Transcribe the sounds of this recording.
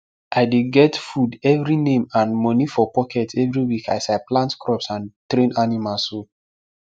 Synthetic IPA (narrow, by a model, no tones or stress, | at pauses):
ʔaɪdeɡɛtfudɛvɾinẽmãnmɔnifɔpɔkɛtɛvɹiwika̰jsaɪplãntkɹɔpsãntɾẽnanimalso